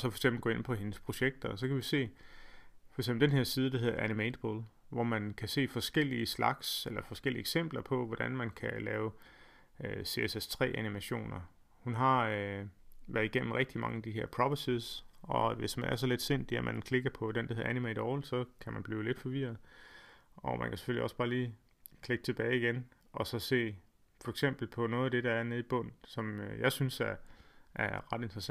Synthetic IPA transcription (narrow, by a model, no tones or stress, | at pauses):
ɒsɒfɒ̽ɪ̥ɡ̥sembl̩ɡɔ̽e̝n̰pʰɒ̽ɦe̝nəspʰʁo̝ɕeɡ̥̚d̥ɐs̬ɒ̽kʰæʋise̝̰ː | fɒ̽ɡ̥sembl̩d̥enɦe̝ɐsiːð̞ˠəd̥aɦe̝ðˠɐænimeɪd̥b̥ol | ʋɒmænkʰæse̝̰ːfɒ̽sɡ̥el̰iəslɑ̈ɡ̥selɐfɒ̽sɡ̥el̰iəeɡ̥sem̰b̥lɐpʰɒ̽ʋɒd̥ænmænkʰælɛːʊ | øse̝esest͡sʰʁɛ̰ːʔænimæɕo̝̰ːnɐ | hunɦɑ̈ | ʋæɐðˠiɡ̥em̰m̩ʁeɡ̥̚d̥imɑ̈ŋəd̥iɦeɐpʰʁɒb̥əsisɒ̽ʋe̝smænæɐs̬ɒ̽le̝d̥se̝̰n̰d̥iɐmʔænkʰle̝ɡ̥ɐpʰɒ̽d̥end̥heænimeɪɾ̥ɒʊlsɒ̽kʰæmænb̥liːʊle̝d̥fɒ̽ʋiɐð̩ˠ | ɒ̽mʔæ̰nkʰæse̥føliɒ̽sb̥ɑ̈ːliː | kʰle̝ɡ̥ə̥t͡sʰe̝b̥ɛːɪiɡ̥en | ʔɒ̽sɒ̽se̝̰ː | fɒ̽eɡ̥sem̰b̥l̩pʰɒ̽nɔ̽ːðˠæd̥e̝ɾɑ̈æɐneðˠib̥ɔ̽n̰n̩sɒ̽mjɑ̈ɪsynsæɐʔæɐʁɑ̈d̥e̝nd̥ʁɐsæ